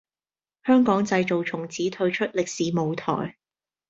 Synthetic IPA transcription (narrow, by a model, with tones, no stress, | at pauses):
hœː˥ŋkɔː˨˥ŋt͡sɐ˧jt͡so˨wt͡sʰʊ˨˩ŋt͡sʰiː˨˥t̪ʰɵ˧ɥt͡ʃʰɵ˥t̚lɪ˨k̚siː˨˥mo˨wt̪ʰɔ̰ː˨˩j